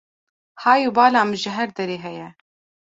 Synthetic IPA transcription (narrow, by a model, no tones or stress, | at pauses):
hɑːjuːbɑːlɑːmʒɪɦɛɾd̪ɛɾeːɦɛjɛ